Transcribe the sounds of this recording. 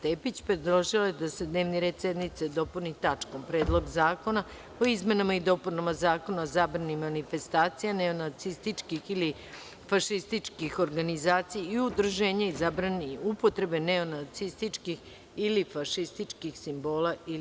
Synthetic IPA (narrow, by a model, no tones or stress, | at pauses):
t̪epit͡ɕpɾed̪ɾoʒilajed̪ase̞d̪neʋniɾe̞ːd̪sjed̪nit̪sed̪o̞punit̪at͡ʂko̞mpɾeːd̪lˠo̞ɡzaːkona | oizme̞namaid̪o̞punamazaːko̞naozabɾanimanife̞st̪aːt̪sijaneo̞nat̪sist̪it͡ʃkixili | faʃist̪it͡ʂkixo̞ɾɡanizaːt̪sijaiud̪ɾuʒeːɲaizabɾaniupo̞t̪ɾe̞be̞neo̞nat̪sist̪it͡ʂkix | ilifaʃist̪it͡ʂkixsimbo̞ːlai